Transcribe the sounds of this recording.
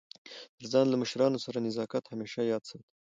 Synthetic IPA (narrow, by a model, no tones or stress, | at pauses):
t̪əɾzɑnlaməʃɾɑnosaɾanɪzɑkat̪hameʃajɑd̪səwd̪